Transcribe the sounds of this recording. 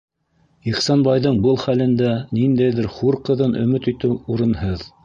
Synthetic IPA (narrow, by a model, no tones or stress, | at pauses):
iχsɑnbɑjðɤɴbɤlˠχælɘ̆nd̪ænind̪æjðɘɾχuɾqɤ̆ðɤnʔɵ̆mɘt̪ɵ̆t̪ɘwuɾɤ̆nhɤð